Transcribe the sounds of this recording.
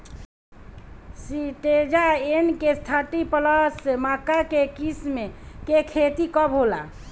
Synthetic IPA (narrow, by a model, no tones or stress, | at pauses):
siʈed͡ʒaenkest̪ʰəʈipələsmakakekismekekʰet̪ikɔbɦola̰